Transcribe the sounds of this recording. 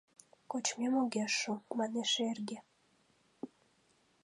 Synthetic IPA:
kot͡ɕmemoɣʲeʃumɑneʃerɡe

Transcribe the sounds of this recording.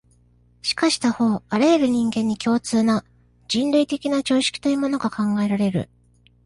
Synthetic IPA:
ɕi̥kaɕi̥t̪aho̞ːaɾaeɾɯ̟ɲ̟ĩŋɡẽ̞ɲ̟ːikʲo̞ːt͡sɨːna | d͡ʑĩnɾɯ̟it̪e̞kʲinat͡ɕo̞ːɕi̥kʲi̥t̪ojɯːmo̞no̞ɡakãŋɡae̞ɾaɾe̞ɾɯ̟̰

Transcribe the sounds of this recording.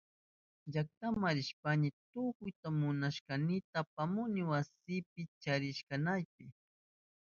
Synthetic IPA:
ʎak̚t̪amaɾɪʃpanɪt̪ʊkʊjt̪amʊnaʃkanɪt̪apamʊnɪwasɪp̚ɪt͡ʃaɾɪʃkanajp̚ɪ

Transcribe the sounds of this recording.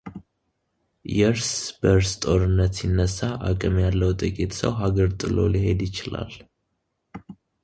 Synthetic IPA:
jɛɾsbəɾst̪ʼo̞ɾɨnːət̪sinːəsːaʔakʼɨmjalːəwt̪ʼɨkʼit̪sə̰wɦaɡəɾt̪ʼɨlo̞̰liɦe̞d̪jɪt͡ʃɪla̰l

